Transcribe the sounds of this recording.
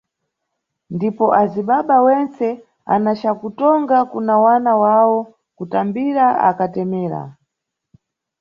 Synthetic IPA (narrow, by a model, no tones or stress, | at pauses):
ndipɔʔaziɓaɓawɛnt͡sɛ | a̰nat͡ʃakutɔŋɡakunawanawawɔ | kutambiɾaa̰katɛmɛːɾa̰